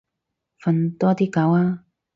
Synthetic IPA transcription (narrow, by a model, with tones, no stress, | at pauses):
fɐ˨˧nt̪ɔː˥t̪iː˥kɐ˨˥waː˥